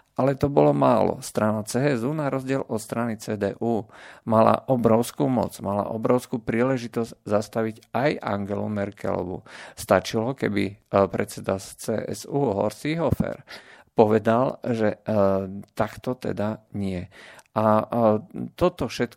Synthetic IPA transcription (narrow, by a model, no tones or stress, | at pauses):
ʔalɛt̪ɔbɔlɔmaːlɔ̰st̪ɾanat͡sɛːɛzunaɾɔzɟɪɛlʔɔt̪st̪ɾanit͡sɛːd̪ɛːʔuːmala̰ʔɔbɾɔʊskuːmɔ̰d͡zmala̰ʔɔbɾɔʊskuːpɾiːlɛʒit̪ɔzɟzast̪aʋiɟajʔa̰ŋɡɛlṵmɛɾkɛ̰lɔ̰ʋṵst̪at͡ʃilɔkɛbipɾɛ̰t̪t͡sɛd̪at͡sɛʔɛ̰zuːɦɔ̰ɾt͡siɦɔfɛ̰ɾpɔʋɛd̪alʒɛ | t̪akt̪ɔt̪ɛ̰d̪aɲɪɛʔa | t̪ɔt̪ɔfʃɛt̪